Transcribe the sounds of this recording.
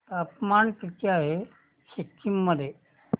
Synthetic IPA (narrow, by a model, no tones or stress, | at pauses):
t̪əpmankit̪iaɦe | ɕikkʰimːəd̪ʱje